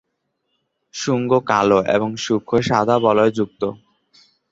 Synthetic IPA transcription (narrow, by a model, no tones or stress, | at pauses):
ʃuŋɡokaloʔḛboŋʃukʰːoʃad̪ʱabɔloed͡ʑuk̚t̪o